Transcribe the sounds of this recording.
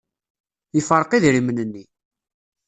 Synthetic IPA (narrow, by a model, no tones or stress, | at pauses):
ifəɾˤqiðɾimənənːi